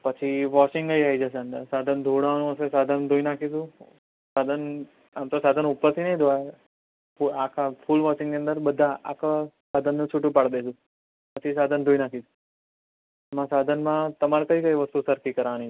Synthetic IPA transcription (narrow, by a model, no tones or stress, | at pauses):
pət͡ʃʰiʋɔʃɪŋɡɡəiaid͡ʒəs̬eənd̪əɾsad̪ʱənd̪ʱoɽanũəsesad̪ʱənd̪ʱoinakʰid͡ʒ̪ũ | sad̪ʱən | amt̪osad̪ʱənupəɾt̪ʰinəĩd̪oae | puakʰafʰulʋɔʃɪ̃ŋnĩə̃nd̪əɾbəd̪ʱːãa̰kʰasad̪ʱənːũt͡ʃʰuʈũpaɽd̪ed͡ʒũ | pət͡ʃʰis̬ad̪ʱənd̪ʱoinakʰid͡ʒ̪ũ | mãsad̪ʱənmãt̪əmaɾkəikəjʋəst̪usəɾkikəɾni